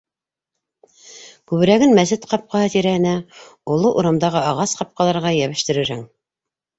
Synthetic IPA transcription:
kʉβɘ̆ɾæɡɘnmæsɘt̪qɑp̚qɑhɤt̪iɾæhɘ̆næŏlˠoʔuɾɑmd̪ɑʁɤɑʁɑsqɑp̚qɑlˠɑɾʁɑjæβɘ̆ʃt̪ɘ̆ɾɘ̆ɾhɘŋ

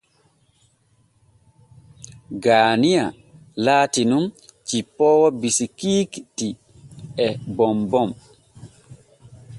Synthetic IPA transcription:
ɡaːnija̰ | laːtinumt͡ʃipːɔːwɔbisikiːkti | ɛbɔmbɔm

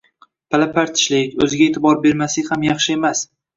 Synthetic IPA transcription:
pʰalapʰaɾt̪ʰɪ̥ʃlɪkʲɵ̰zɪɡʲaet̪ʰɪbɒɾbe̞ɾmasɪhamjɑχʃɪe̞mas

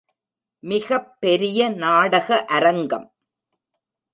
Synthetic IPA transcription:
mɪɣɐpːɛɾɪjɐnaːɽɐɣɐʔɐɾɐŋɡɐm

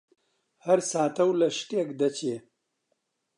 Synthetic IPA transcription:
hɐɾsaːt̪ɐwlɐʂʈekd̪ɐt͡ɕe

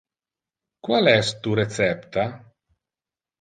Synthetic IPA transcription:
kwalɛst̪uɾet̪t͡sɛpt̪a

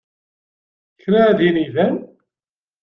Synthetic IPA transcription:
çɾaðiniðæn

